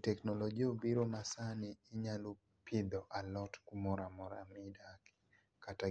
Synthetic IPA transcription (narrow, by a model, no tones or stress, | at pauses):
tɛknɔlɔɡiobiɾonasanɪːɲalu | pʰɪd̪ɔʔalɔtkumɔɾamɔɾamidak | kata